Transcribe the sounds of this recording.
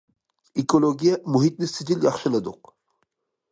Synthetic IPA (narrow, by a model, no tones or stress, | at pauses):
ekolˠoɡʲijamuɦit̪̚nɪsɪd͡ʒ̪iljɑχʃɪlˠɨd̪ʊq